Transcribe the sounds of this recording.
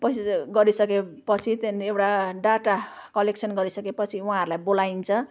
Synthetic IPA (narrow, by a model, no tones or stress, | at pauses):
pʌsɡʌɾisʌkepʌt͡sʰit̪enewʈaɖaʈa | kʌlekt͡sʰʌnɡʌɾisʌkepʌt͡sʰiuɦãɦʌɾulajbolaint͡sʰʌ̃